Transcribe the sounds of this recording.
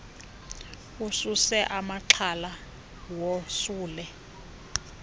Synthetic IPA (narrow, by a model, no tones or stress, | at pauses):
ususɛʔamaǁʰala | wɔsuːlɛ